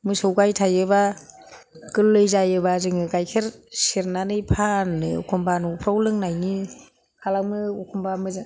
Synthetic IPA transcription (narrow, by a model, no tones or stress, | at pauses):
mɯsɯwɡajtʰajɯba | kɯlːɯjzajɯbazɯŋɯɡajkʰeɾseɾnanɯjpʰanːɯɔ̰kʰɔmbanupʰɾawlɯŋnajni | kʰalakmɯɔkʰumbamɯz